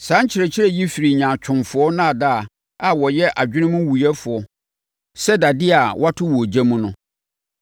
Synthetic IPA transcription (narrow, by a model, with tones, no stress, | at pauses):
sãː˨˦ɲ̩˦t͡ɕʰɪ˨ɾɛ˨t͡ɕʰɪ˦ɾɛ˦ji˦fi˨ɾi˨ɲã˨t͡ɕᶣʰʊ̃˨nfʊ˨˦ɔ˦nã˦a˨daː˦˨ | a˨wɔ˨jɛ˦ʔa˨d͡ʑᶣɪ˦nɪ̃˦mʊ̃˦wu˨jɛ˦fʊ˨ɔ˦ | sɛ˦da˨dɪ˦a˨wʔa˦tʰʊ˦wɔ˨d͡ʑã˦mũ˦nʊ̃˦